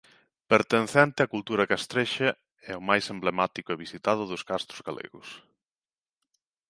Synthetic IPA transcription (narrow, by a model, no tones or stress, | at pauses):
peɾt̪enθɛnt̪ɪakult̪uɾɐkast̪ɾeʃe | ɛʊmajsemblemat̪ikʊeβisit̪að̞ʊðʊskast̪ɾʊzɣalʔḛɣʊ̰s